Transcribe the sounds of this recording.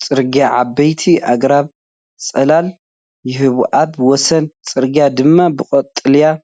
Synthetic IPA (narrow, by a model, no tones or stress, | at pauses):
t͡sʼɨɾɡjaʕabːɐjt̪ʰiʔaɡɾaβ | sʼɐlal | jɪhɨβʔatwɔsɐnt͡sʼɨɾɡijad̪ɨmːabɨqʼɔt̪ʼːɨlja